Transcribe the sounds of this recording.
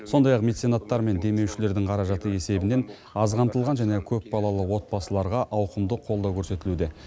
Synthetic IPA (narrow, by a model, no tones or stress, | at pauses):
so̞nd̪ɑjɑqme̞t̪senat̪ːɑɾme̞nd̪e̞me̞wʃɪle̞ɾd̪ɪŋqʰɑɾɑʒɑt̪əe̞se̞bɪne̞n | ɑzʁɑnt̪əlˠʁɑnʒæne̞kʲʰɵpbɑlˠɑlˠəwo̞t̪̚bɑsəlˠɑɾʁɑʔɑwqəmd̪əqʰo̞lˠd̪ɑwkʲʰɵɾse̞t̪ɪlud̪e̞